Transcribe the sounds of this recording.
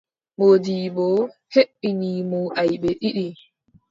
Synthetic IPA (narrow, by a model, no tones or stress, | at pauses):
ɓodiːbɔheɓːiniːmuʔajɓɛɗiɗi